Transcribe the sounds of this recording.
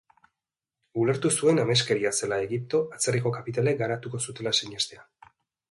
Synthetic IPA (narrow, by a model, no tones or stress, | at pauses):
ule̞ɾt̪usue̞name̞ske̞ɾiase̞lae̞ɣip̚t̪o̞ʔat͡seriko̞kapit̪ale̞ɡaɾat̪uko̞sut̪e̞laseɲest̪e̞a